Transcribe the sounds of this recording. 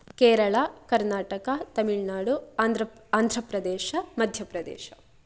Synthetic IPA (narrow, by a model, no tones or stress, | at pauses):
keːɾɐɭakɐɾnaːʈɐkɐt̪ɐmiɭnaːɽuaaːnd̪ʱɾɐpɾɐd̪ɛːʃɐmɐd̪ʱjɐpɾɐd̪ɛ̰ːʃɐ